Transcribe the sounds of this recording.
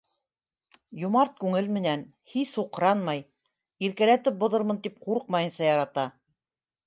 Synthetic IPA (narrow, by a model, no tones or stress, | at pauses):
jŏmɑɾt̪̚kʉŋɘlmɘ̆næn | hisuqɾɑnmɑj | iɾkælæt̪ɘp̚bŏðɤɾmɤ̆nt̪ip̚quɾɤq̚mɑjɤ̆nsɑjɑɾɑt̪ɑ